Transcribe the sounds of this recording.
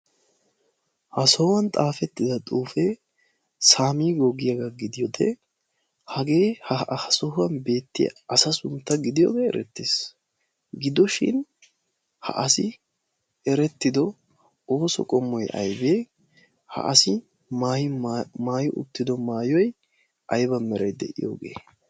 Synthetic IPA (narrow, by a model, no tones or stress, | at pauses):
hɐsɔwɐnt̪ʼaːfɛt̪ːɪd̪ɐt̪ʼuːfɛ | saːmiːɡɔɡɪjɐɡɐɡɪd̪ɪjɔd̪ɛ̰ | hɐɡe̞ːhɐhɐsɔɦʊɐnbe̞ːt̪ːɪjɐ̰ɐsɐsʊmt̪ːɐɡɪd̪ɪjɔ̰ːɡɛ̰ːɾɛ̰t̪ːeːs | ɡɪd̪ɔʃɪ̰n | hɐ̰ʔɐsɪ | ɛɾɛt̪ːɪd̪ɔ | o̞ːsɔ̰kʼɔmːɔjʔɐ̰jbeː | hɐ̰ʔɐsɪ | maːjɪmaːjʊʔʊ̰t̪ːɪd̪ɔmaːjɔj | ʔɐjbɐmɛɾɐjd̪ɛ̰ʔɪ̰jo̰ːɡe̞̰ː